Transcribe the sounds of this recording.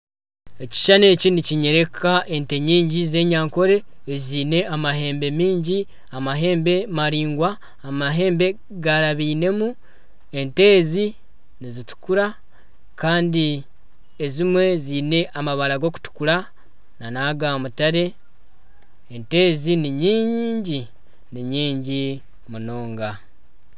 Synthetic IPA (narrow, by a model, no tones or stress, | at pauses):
eci̥ʃane̞ːciniciɲe̞ɾe̞kʰaʔe̞nte̞ɲiːɲɟize̞ːɲaːŋko̞ɾe̞ːziːne̞amaɦe̞ːmbe̞miːɲɟi | amaɦe̞ːmbe̞maɾiːŋɡwaː | maɦe̞ːmbe̞ | ɡaɾaβiːne̞mu | e̞nte̞ːzi | nizitu̥kuɾa | kaːndi | ezimwe̞zine̞ʔamaβaɾaɡo̞ku̥tu̥kuɾa | nanaɡamutaɾe̞ | nte̞ːziniɲiːɲiːɲɟi | niɲiːɲɟi | muno̞ːŋɡa